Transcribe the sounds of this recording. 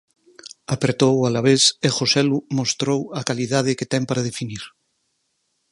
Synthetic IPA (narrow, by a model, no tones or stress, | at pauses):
apɾet̪owalaβesexosɛlumost̪ɾowakaliðað̞eket̪ɛmpaɾað̞efiniɾ